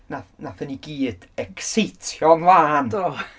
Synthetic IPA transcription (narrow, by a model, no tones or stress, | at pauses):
nanaθəniɡiːd̥ | ɛkʰsejtʰjɔŋvaːndo